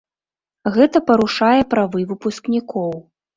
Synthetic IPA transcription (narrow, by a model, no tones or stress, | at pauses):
ɣɛt̪ɐpɐɾuʂajɛpɾavɨvɨpusknʲikɔw